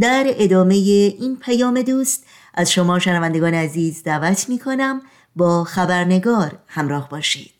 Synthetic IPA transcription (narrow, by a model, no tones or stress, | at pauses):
d̪æɾe̞d̪ɒːme̞jeʔiːnpʰæjɒːme̞d̪uːst̪ | ʔæzʃo̞mɒːʃænævænd̪eɡɒːneæziːzd̪ævæt̪ʰmiːkʰo̞næm | bɒːxæbæɾne̞ɡɒːɾhæmɾɒːhbɒːʃḭːd̪̥